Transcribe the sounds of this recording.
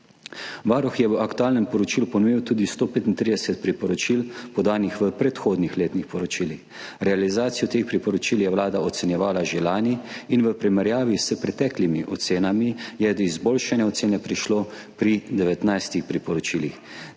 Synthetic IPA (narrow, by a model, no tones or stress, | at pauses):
ʋaɾɔxjɛʋəʔakt̪uaːlnɛmpɔɾɔt͡ʃiːlupɔnuʋiwt̪uːd̪ist̪oːpeːt̪int̪ɾid̪ɛsɛt̪̚pɾipɔɾɔt͡ʃilpɔd̪aːnixʋəpɾɛt̪xoːd̪nixleːt̪nixpɔɾɔt͡ʃiːlix | ɾɛalizaːt̪sijɔt̪eːxpɾipɔɾɔt͡ʃiːljɛwlaːd̪aɔt̪sɛnjɛʋaːlaʒɛlaːniinʋəpɾimɛɾjaːʋisəpɾɛt̪ɛːklimiʔɔt̪seːnamijɛd̪izboːlʃanjɛɔt̪seːnɛpɾiʃloː | pɾid̪ɛʋɛt̪najst̪ixpɾipɔɾɔt͡ʃilix